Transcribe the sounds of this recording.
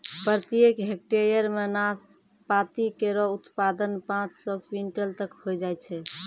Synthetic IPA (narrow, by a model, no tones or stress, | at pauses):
pɾət̪ijekɦek̚ʈeɾijəɾmenas | pat̪ikeɾɔut̪pad̪ənpãt͡ʃsə̃ɡpiɳʈəlt̪əkhod͡ʒajt͡ʃʰɛ